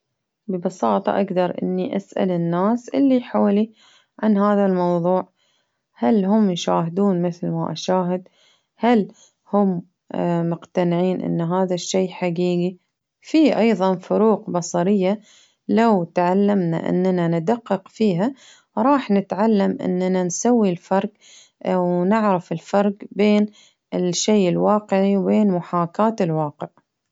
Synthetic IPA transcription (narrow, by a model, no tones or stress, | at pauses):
bɪbɑsɑːt̪ˤɑ̰ʔaɡd̪ɑɾˤʔɪ̰nːiʔasʔa̰lɪnːaːsʔɪlːiħoːli | ʕanhaːðalmɑwðˤuːʕ | halɦʊmjʃaːhɪd̪uːnmɪθlmaʔaʃaːɦɪd̪ | hal | hʊmː | mʊqt̪anɪʕiːnʔɪ̰nːɦaːðaʃːejħaɡiːɡi | fiːʔɑjðˤɑnfʊɾuːqbɑsˤɑɾɪjːa | lawt̪ʕalːamna̰ʔɪ̰nːananɪd̪aqːɨqfiːɦa | ɾˤɑːħnɪt̪ʕalːamʔɪ̰nːanansawːilfɑɾˤɡ | wnɪʕɾafɪlfɑɾˤɡbeːn | ɪʃːeːʔɪlwɑːqɪʕiwbeːnmʊħaːkaːt̪ɪlwɑːqɪʕ